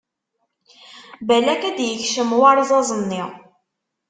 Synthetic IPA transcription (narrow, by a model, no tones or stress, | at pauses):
bælækæd̪jəçʃəmwɑɾˤzˤɑzˤənːiʁ